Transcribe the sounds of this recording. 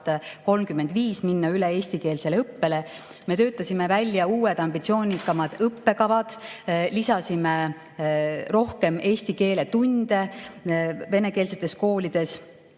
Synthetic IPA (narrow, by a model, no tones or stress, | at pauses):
t̪ko̞lmkymːe̞nd̪viːsminːɑylee̞ːsʲt̪ike̞ːlseleɤpːe̞le̞ | me̞t̪ø̞ːt̪ːˑɑsimevælʲjɑuːwed̪̥ɑmb̥it̪sio̞ːnikːˑɑmɑd̪̥ɤpːe̞kɑvɑd̪̥lisɑsime | ro̞hke̞me̞ːsʲt̪ike̞ːle̞t̪unʲd̪̥e̞ | ve̞ne̞ke̞ːlse̞t̪ːˑe̞sko̞ːlʲid̪̥e̞s